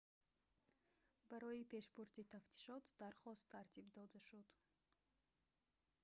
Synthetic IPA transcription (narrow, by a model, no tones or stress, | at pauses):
baɾɔipʰe̞ʃbuɾd̪it̪ʰaft̪ʰi̥ʃɔt̪d̪aɾχɔst̪ʰːaɾt̪ʰibd̪ɔd̪aʃud̪